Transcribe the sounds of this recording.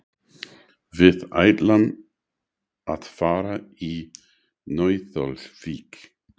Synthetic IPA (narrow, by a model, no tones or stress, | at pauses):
vɪða̰jd̪lan | at̪faːɾai | nɔjθɔ̰lʃviːk